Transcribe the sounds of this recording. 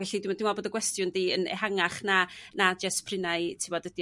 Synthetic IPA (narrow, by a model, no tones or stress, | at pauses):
vɛɬidɪmdɪmɔboːdəɡwɛstjʊndiːənɛ̰haŋaχnanad͡ʒaspʰrɪnaɨtʰɪwɔdəd̥i